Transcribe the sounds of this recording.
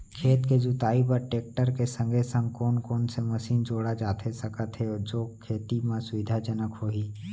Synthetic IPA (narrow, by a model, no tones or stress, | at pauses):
kʰeːt̪ked͡ʒʊt̪aːip̬əɾʈeːk̚ʈəɾkesə̃ŋɡʱesə̃ŋɡkɔːnkɔːnseməsiːnd͡ʒoːɽad͡ʒaːt̪ʰesɐkət̪ɦed͡ʒoːkʰeːt̪imãsʊʋɪd̪ʱad͡ʒənəkɦoːiː